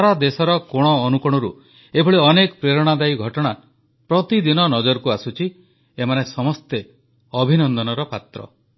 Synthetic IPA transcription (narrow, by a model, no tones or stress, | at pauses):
aɾad̪esɔɾɔkoɽ̃ɔːnukɔɽ̃ɔɾṵ | ebʱɔɭeɔnekɔpɾeɾɔɽ̃ad̪ajɡʱɔʈɔɽ̃a | pɾɔt̪id̪inɔnɔd͡ʒɔɾkuasut͡ʃʰi | emanesɔmɔst̪e | ɔbʱinɔnd̪ɔnɔɾɔpat̪ɾɔ̰